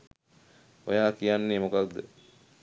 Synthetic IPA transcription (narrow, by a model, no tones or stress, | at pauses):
o̰jaːkijanːeːmokak̚d̪ə̰